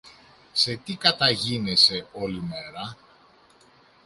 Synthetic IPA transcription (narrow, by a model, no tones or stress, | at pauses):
se̞t̪ikɐt̪ɐʝinese̞o̞lime̞ɾɐ